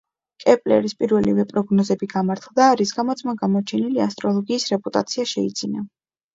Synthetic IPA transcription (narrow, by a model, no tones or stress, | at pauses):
kʼɛpʼlɛ̰ɾispʼiɾvɛlḭvɛpʼɾɔɡnɔzɛbiɡamaɾt̪ʰlˠd̪aːɾisɡamɔt̪sʰmaɡamɔt͡ʃʰɛniliast̪ʼɾɔlˠɔɡiːsɾɛpʼut̪ʼa̰t̪sʰiaʃɛid̪z̥ina